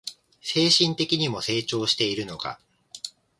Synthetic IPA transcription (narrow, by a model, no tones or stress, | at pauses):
se̞ːɕĩnt̪e̞kʲiɲ̟imo̞se̞ːt͡ɕo̞ːɕi̥t̪e̞iɾɯ̟no̞ɡa̰